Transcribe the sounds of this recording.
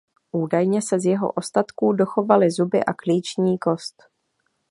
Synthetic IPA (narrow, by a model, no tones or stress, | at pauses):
ʔuːdajɲɛsɛzjɛɦo̰ʔo̞st̪at̪kuːdo̞xo̞valɪzubɪ̰ʔakliːt͡ʃɲiːko̞st̪